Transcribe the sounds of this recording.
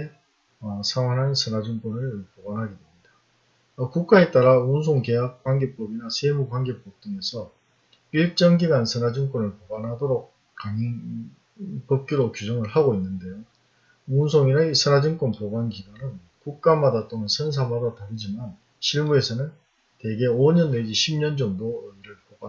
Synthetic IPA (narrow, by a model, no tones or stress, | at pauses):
ʌsʰaŋɦwaŋɦansʰɯnad͡ʑɯŋk͈onɯɭpoɡanɦaɡidwemɲida | ʌkuk̚k͈ae̞t͈aɾauns̬ʰoŋke̞jak̚k͈wanɡe̞p͈ʌbinasʰemukwanɡe̞p͈ʌp̚t͈ɯŋe̞sʰʌ | iɭt͡ɕ͈ʌŋɡiɡansʰɯnad͡ʑiŋk͈ʌnɯɭpoɡanɦadoɾok̚ | k͈aŋi | p͈ʌp̚k͈iɾokjud͡ʑʌŋɯɭhaɡoinːɯnde̞jo | unsʰoŋinɯsʰɯnad͡ʑɯŋk͈onpoɡanɡiɡanɯn | kuk̚k͈amadat͈oŋɯnsʰɯns̬ʰamadataɾɯd͡ʑiman | ɕʰiɭmue̞sʰʌnɯn | te̞ɡe̞oɲʌnːed͡ʑiɕʰimɲʌnd͡ʑʌmdoiɾɯɭpoba